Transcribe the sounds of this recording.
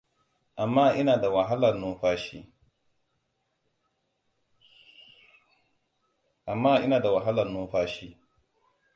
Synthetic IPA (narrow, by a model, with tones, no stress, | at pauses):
ʔa˨mːaː˦ʔɪ˦naː˨da˨wa˨ɦa˦lɐ˨rnʊ˦ɸaː˦ʃiː˦ | ʔa˨mːaː˦ʔɪ˦naː˨da˨wa˨ɦa˦lɐ˨rnʊ˦ɸaː˦ʃiː˦